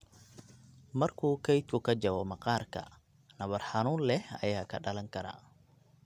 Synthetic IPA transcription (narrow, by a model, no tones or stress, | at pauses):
mɐrkʰuːkʰɛjt̪kʰʊkʰɐd͡ʒɐwɔmɐqɑːrkʰɐ̰ | nɐβɐrħɑnuːnlɛhɐ̰jaːkʰɐɖɐlɐŋkʰɐɾa̰ː